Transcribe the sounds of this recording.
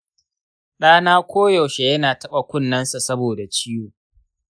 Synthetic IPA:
ɗaː˦naː˦kʷʰoː˦jo˨ʃe˨jɐ˦naː˨tɐ˦ɓa˨kʷʊ˦˨nːɐ˦nsa˨sɐ˦boː˨da˨t͡ʃiː˦juː˨

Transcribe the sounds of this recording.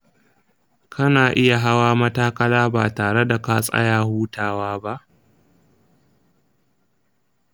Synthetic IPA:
kʰɐ˦naː˨ʔɪ˦ja˨ɦa˦waː˦mɐ˦taː˦kɐ˦laː˦baː˨taː˨ɽe˦da˨ka˦sʼɐ̰˦jaː˨huː˦taː˨waː˦ba˦ʔ

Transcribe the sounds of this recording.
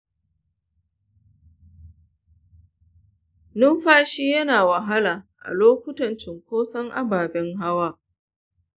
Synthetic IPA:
nʊ˦mɸaː˦ʃiː˦jɐ˦naː˨wɐ˨ɦa˦laː˨ʔa̰˨loː˦kʷʊ˦tɐ˨nt͡ʃɪ˨ŋkʷoː˦sɐ˦ŋʔa̰˦baː˨bɛ˦ŋɦa˦waː˦

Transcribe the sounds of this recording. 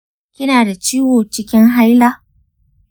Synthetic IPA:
kʲɪ˦naː˨da˨t͡ʃiː˦woː˨t͡ʃɪ˦kʲɪ˦ŋɦa˦jlaː˦

